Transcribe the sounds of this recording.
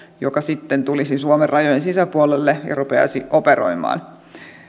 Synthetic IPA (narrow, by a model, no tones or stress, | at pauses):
jokɑsit̪ːent̪ulisinsuomerrɑjojensisæpuolelːejɑ̰rupeɑ̰siʔopeɾo̰imɑ̰ːn